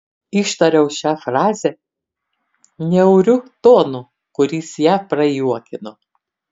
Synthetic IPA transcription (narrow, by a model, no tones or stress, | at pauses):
iʃt̪ɐɾʲɛʊʃʲæːfɾɑːzʲɛ | nʲɛʊɾʲʊt̪oːnu | kʊɾʲiːsjæːpɾɐjuɔkʲɪno